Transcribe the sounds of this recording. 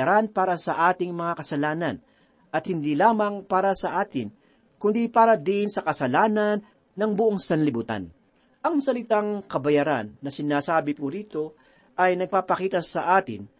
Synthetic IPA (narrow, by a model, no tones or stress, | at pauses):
aɾanpaːɾɐsɐʔaːt̪ɪŋmɐŋakɐsɐlaːnɐn | ʔɐt̪̚hɪnd̪iːlaːmɐŋpaːɾɐsɐʔaːt̪ɪn | kʊnd̪ipaːɾɐd̪ɪnsɐkɐsɐlaːnɐnː | ɐŋbʊʔoŋsɐnlɪbut̪a̰n | ʔɐŋsɐlɪt̪aŋkɐbɐjaːɾa̰nːɐsɪnaːsaːbɪpuɾiːt̪o̞ | ʔɐjnɐɡ̚paːpɐkiːt̪ɐsɐʔaːt̪ɪ̰n